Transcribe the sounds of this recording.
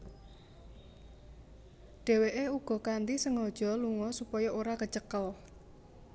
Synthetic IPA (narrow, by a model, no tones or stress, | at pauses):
ɖ̥e̤weʔeuɡ̥ɔ̤kand̪isəŋɔd̥ʒ̥ɔ̤luŋɔsupɔjɔʔoɾakət͡ʃəkəl